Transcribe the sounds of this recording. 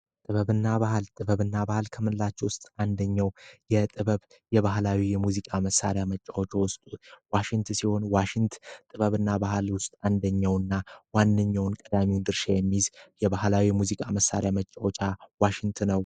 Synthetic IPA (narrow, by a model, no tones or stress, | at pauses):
t̪ʼɨβəβɨnːabahalt̪ʼɨβəβɨnːabahɨlkʰəmɨnlːat͡ʃːɛwʊst̪ʼand̪əɲːawjɛt̪ʼɨβəβ | jɛβaɦlawijɛmuzikʼaməsːa̰ɾejamət͡ʃʼːawot͡ʃwʊst̪ʼuwaʃɪŋt̪ʰsiho̞nwaʃɪŋt̪ʰt̪ʼɨβəβɨnːabahlwʊst̪ʼand̪əɲːawɨnːawanːəɲːawnkʼəd̪amiwd̪ɨɾʃajɛmːizjɛbahlawimuzikʼaməsːa̰ɾejamət͡ʃʼːawot͡ʃʼawaʃɪŋt̪ʰɨnəw